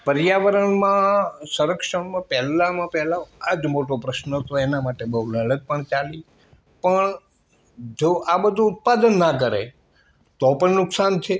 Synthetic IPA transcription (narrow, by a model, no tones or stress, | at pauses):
pəɾijaʋəɾəɳmãsəɾəkʂəɳmãpɛɦlãmãpɛɦlaad͡ʒmoʈopɾəʃnəɦət̪oenamaʈebəɦuləɭəɡ̚pəɳt͡ʃali | pəɳ | d͡ʒoʔabəd̪ʱuːt̪̚pad̪ənːak̬əɾe | t̪opəɳnʊksant͡ʃʰe